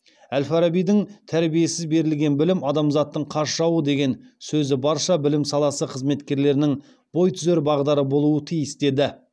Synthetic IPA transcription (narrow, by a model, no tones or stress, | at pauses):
ælfaɾabijd̪ɪŋt̪ʰæɾbije̞sɪzbe̞ɾɪlɡʲe̞nbɪlɪmɑd̪ɑmzɑt̪ːəɴqʰɑɾʃɑwəd̪e̞ɡʲe̞nsɵzɪbɑɾʃɑbɪlɪmsɑlˠɑsəqʰəzme̞t̪kʲe̞ɾle̞ɾɪnɪŋ | b̥o̞jt̪ʰʏzeɾbɑʁd̪ɑɾəbo̞lˠuət̪ʰijɪsd̪e̞d̪ɪ